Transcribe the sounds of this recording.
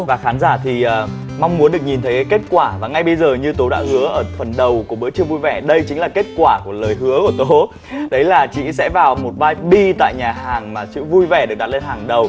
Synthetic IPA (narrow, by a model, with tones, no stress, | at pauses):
vaː˨˩xaː˨˦nzaː˧˩t̪ʰi˨˩ʔəː˨˩ | m˧wŋ͡mmu˨˦ənɗɨ˨˩ək̚ɲi˨˩nt̪ʰə˨˦jka˨˦ke˦˥t̚kwaː˧˩vaː˨˩ŋa˧jɓə˧jzəː˨˩ɲɨ˧t̪o˨˦ɗa̰ː˧˥hɨ˨˦əʔəː˧˩t̪ʰwə˨˩nɗə˨˩wku˧˩əɓɨ̰˧˥t͡ɕɨ˧ŋvu˧jvɛ˧˩ɗə˧jt͡ɕï˨˦ŋ̟laː˨˩ke˦˥t̚kwaː˧˩ku˧˩ələː˨˩jɦɨ˨˦əku˧˩ət̪o˨˦ | ɗə˨˦jlaː˨˩t͡ɕḭ˧˥sɛ̰˧˥vaː˨˩wmo˨˩t̚vaː˧jɓi˧t̪a̰ː˧˨jɲaː˨˩ɦaː˨˩ŋmaː˨˩t͡ɕɨ̰˧˥vu˧jvɛ˧˩ɗɨ˨˩ək̚ɗa˨˩t̚le˧nhaː˨˩ŋɗə˨˩w